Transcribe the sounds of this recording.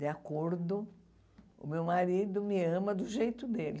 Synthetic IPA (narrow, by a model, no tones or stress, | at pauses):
d̪ɪakoɾd̪ʊ | ʊ̰mewmaɾid̪ʊmɪɐ̃mɐd̪ʊʒejt̪ʊd̪elɪ